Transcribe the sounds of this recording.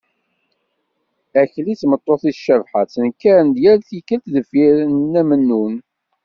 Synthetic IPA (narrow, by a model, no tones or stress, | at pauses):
æçlit͡sːmət̪ˤːoθiʃəvħat͡sːənkæɾnd̪jæɾθikːəlt̪ðəfiɾnːæmənːun